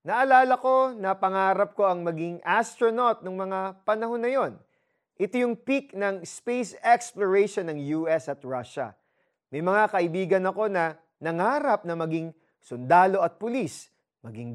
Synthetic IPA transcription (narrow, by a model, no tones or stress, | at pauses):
nɐʔɐlaːlɐko̞nɐpɐŋaːɾɐp̚ko̞ʔɐŋmɐɡiŋʔast̪ɹono̞t̪̚noŋmɐŋapɐnɐho̞nːɐjo̞n | ʔɪt̪ojʊŋpiknɐŋspejsɛksploɹɛjʃonːɐŋjuːʔɛsɐt̪ɹaʃɐ̰ | mɐjmɐŋakɐʔɪbiːɡɐnɐko̞nɐ | nɐŋaːɾɐp̚nɐmɐɡiŋ | sʊnd̪aːlo̞ɐt̪̚pʊlis | mɐɡiŋ